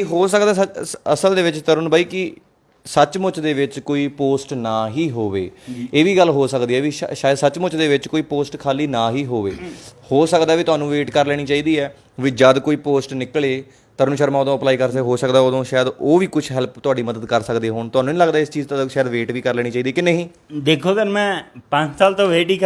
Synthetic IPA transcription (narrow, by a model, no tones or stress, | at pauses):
iɦoːsəkd̪aːsəsəld̪eːʋɪt͡ʃt̪əɾʊnbaːiːkɪ | sət͡ʃmʊt͡ʃd̪eːʋɪt͡ʃkoːiːpoːsʈnaːɦiːɦoːʋeːeːʋiːɡəlɦoːsəkd̪iːɛːʋiːʃaːjəd̪sət͡ʃmʊt͡ʃd̪eːʋɪt͡ʃkoːiːpoːsʈkʰaːliːnaːɦiːɦoːʋḛːhoːsəkd̪aːʋiːt̪ʊaːnũːʋeːʈkəɾlɛːɽiːt͡ʃaːiːd̪iːɛː | ʋiːd͡ʒəd̪koːiːpoːsʈnɪkɭeː | t̪əɾnũʃəɾmãːʊd̪õːəplaːiːkəɾseɦoːsəkd̪aːʊd̪õːʃaːjəd̪oːʋiːkʊt͡ʃʰɦɛlpt̪ʊaːɖiːməd̪əd̪kəɾsəkd̪eːɦoːɳt̪ʊaːnũːnĩːləɡd̪aːɪst͡ʃiːzt̪ːʃaːjəd̪ʋeːʈʋiːkəɾlɛːɽ̃iːt͡ʃaːiːd̪iːkɪneːɦĩː | d̪eːkʰoːkənmɛ̃ːpə̃ɲt͡ʃsaːlt̪õːʋeːʈiːk